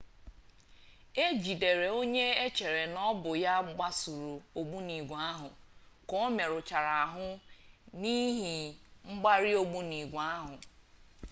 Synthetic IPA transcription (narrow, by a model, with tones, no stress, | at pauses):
e˦d͡ʒi˨de˨ɾe˨o˦ɲe˦e˦t͡ʃe˨ɾe˨nɔ˦bʊ˨ja˦ɡ͡ba˦su˨ɾu˨o˨ɡ͡bu˦ni˨ɡʷa˦ɦʊ˨ | kɔ˦me˨ɾʊ˨t͡ʃa˨ɾa˨a˨ɦʊ˦ni˦ɦi˨ŋ͡m̩˦ɡ͡ba˦ɾi˦o˦ɡ͡bu˦ni˨ɡʷa˦ɦʊ˨